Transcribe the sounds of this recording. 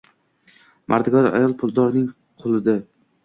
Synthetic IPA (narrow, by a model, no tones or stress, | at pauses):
mʔaɾd̪ɪɡɒɾa̰jɒlˠpʰʊlˠd̪ɒɾnɪŋ | qʰolˠɪd̪a